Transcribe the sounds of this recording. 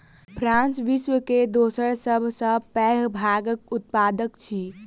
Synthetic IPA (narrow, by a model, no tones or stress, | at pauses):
pʰɾãnsʋiswəked̪osəɾsəbʱsə̃pɛɦbʱaɡək̚ut̪̚pad̪əkt͡ʃʰi